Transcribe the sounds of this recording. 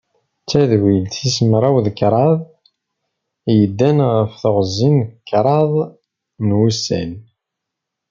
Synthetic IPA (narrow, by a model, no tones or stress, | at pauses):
t͡sːæðwilθismɾˤɑwðkɾˤɑðˤ | jəd̪ːænʁəfθoʁzːinkːɾˤɑðˤ | nwusæ̰n